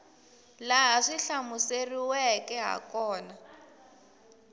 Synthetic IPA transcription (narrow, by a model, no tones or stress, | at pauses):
laɦʂiɬamuseriwɛkɛɦa̰kʼɔːna